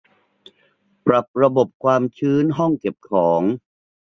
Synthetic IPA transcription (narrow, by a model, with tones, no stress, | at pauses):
pɾa˨˩p̚ɾa˧bo˨˩p̚kʰwaː˧mt͡ɕʰɯː˦˥nɦɔ˥˩ŋke˨˩p̚kʰɔː˩˦ŋ